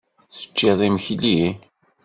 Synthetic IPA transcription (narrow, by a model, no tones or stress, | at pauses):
θə̥t͡ʃːiðˤiməçli